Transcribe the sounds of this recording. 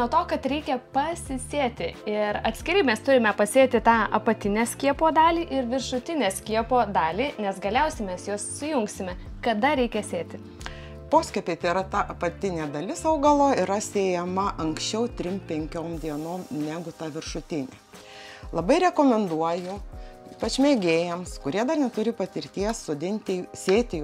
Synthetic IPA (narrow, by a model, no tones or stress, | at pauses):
nuɔt̪oːkɐt̪ɾʲɛɪkʲɛpɐsʲɪsʲeːt̪ʲɪɪɾɐt̪ʲsʲkʲɪɾʲɛɪmʲɛst̪ʊɾʲɪmʲɛpɐsʲeːt̪ʲɪt̪ɑːɐpɐt̪ʲɪnʲeːsʲkʲiɛpoːd̪ɑːlʲiːʔɪɾʋʲɪrʃʊt̪ʲɪnʲeːsʲkʲiɛpoːd̪ɑːlʲiːnʲɛsɡɐlʲɛʊsʲɛɪmʲɛsjoːssʊjʊŋksʲɪmʲɛ | kɐd̪ɐɾʲɛɪkʲɛsʲeːt̪ʲɪ | poːsʲkʲɛpʲeɪt̪ɐɪɾɐt̪ɐʔɐpɐt̪ʲɪnʲeːd̪ɐlʲɪsɐʊɡɐlˠoːiɾɐsʲeːjɛmɐʔɐŋksʲt͡ʃʲɛʊt̪ʲɾʲɪmpʲɛŋʲkʲoːmd̪ʲiɛnoːmnʲæɡʊt̪ɐʋʲɪɾʃʊt̪ʲɪnʲeː | lˠɐbɐɪɾʲɛkoːmʲɛnd̪uɔjʊiːpɐt͡ʃʲmʲeːɡʲeːjɛmskʊɾʲiɛd̪ɐrnʲɛt̪ʊɾʲɪpɐt̪ʲɪɾʲt̪ʲiɛssoːd̪ʲɪnʲt̪ʲɪsʲeːt̪ʲɪ